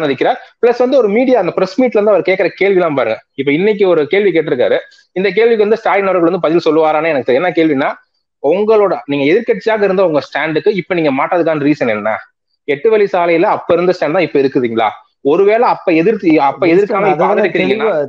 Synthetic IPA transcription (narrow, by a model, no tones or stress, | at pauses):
nɾɯkːɪɾaːɾpɪɭɐsʋɐnd̪ɯɔɾɯmiːɽɪjaːɐɪnd̪ɐpɪɾɛsmiːʈːlʋɐnd̪ɐʋɐɾkeːʈkːɪɾɐkeːɭʋilãːmpaːɾɯŋɡɐɪpːoːɪnːɪk̬ʲːɯɔɾɯkeːɭʋik̬eːʈːɯɪɾɯkːaːɾɯ | ɪnd̪ɐk̬eːɭʋɪkːɯʋɐnd̪ɯsʈaːɾɪnɔɾɐɾɣɐɭʋɐnd̪ɯpɐðɪlsɔlːɯʋaːɾaːnɐɛnɐkːɯt̪ɐɾiɛnːaːkeːɭʋɪnːaː | ʊŋɡɐɭoːɽɐniːŋɡɐɛðɪɾkɐʈt͡ʃːɪaːɣɐɪɾɯnd̪ɐʊŋɡɐsʈaːɳɖɯkːɯɪpːoniːŋɡɐmaːʈːɐðɯkːaːnɐɾiːsɐnɛnːa̰ː | ɛʈːɯʋɐɭisaːlɐjɪlɐɐpːoːɪɾɯnd̪ɐsʈaːɳɖt̪ãːɪpːoɪɾɯkːɯðiːŋɡɐɭa̰ː | ɔɾɯʋeːɭɐɐpːoɛðɪɾɐpːɐɛðɪɾkːaːmɐɪpɐɪɾɯkːɪɾiːŋɡɐnːaː